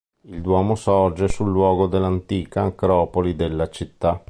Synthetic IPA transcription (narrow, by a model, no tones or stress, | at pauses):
ild̪wɔːmosɔrd͡ʒesulːwɔːɡod̪elːant̪iːkaːŋkɾɔːpolid̪elːat͡ʃit̪ːa